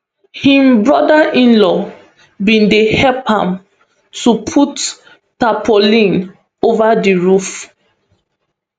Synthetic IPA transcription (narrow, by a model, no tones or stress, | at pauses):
hĩmbɹɔdaʔĩnlɔ | bĩndehɛlphã̰m | tupʰut | tapʰolĩn | ovadiɹuf